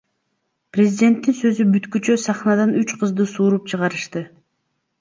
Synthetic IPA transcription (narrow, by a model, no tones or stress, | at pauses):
prʲezʲɪdʲe̞nt̪ːinsø̞zybyt̪kyt͡ʃøsɑχnɑd̪anyt͡ʃqʰɯzd̪ɯsuːɾupt͡ʃʰɯʁɑɾɯʃt̪ɯ